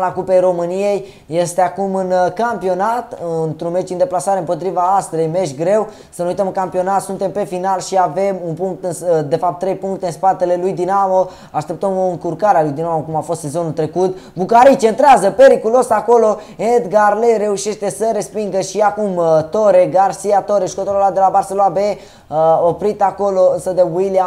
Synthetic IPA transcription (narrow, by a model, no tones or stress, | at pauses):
lakupejɾo̞mɨnije̞jː | e̞st̪eakumɨnkampio̞nat̪ɨnt̪ɾunme̞t͡ʃd̪ind̪e̞plasaɾeɨmpo̞t̪ɾivaast̪ɾejmeʃɡɾe̞w | sənujt̪əmɨŋkampio̞nat̪sunt̪e̞mpe̞finalʃiave̞munpuŋk̚t̪ɨnsd̪e̞fap̚t̪ːɾe̞jpuŋk̚t̪eɨnspat̪e̞le̞lujd̪inamo̞ | aʃt̪e̞p̚t̪əmoɨŋkurkaɾealujd̪inamokumafo̞st̪sezo̞nult̪ɾe̞kut̪bukaɾit͡ʃent̪ɾeazəpe̞ɾikulo̞sako̞lo̞ | ed̪ɡarleɾe̞uʃe̞ʃt̪e̞səɾe̞spiŋɡəʃiakumt̪o̞ɾe̞ɡarsiat̪o̞ɾeʃkot̪oɾolad̪e̞labarselonabe | opɾit̪ako̞lo̞ɨnsəd̪euilia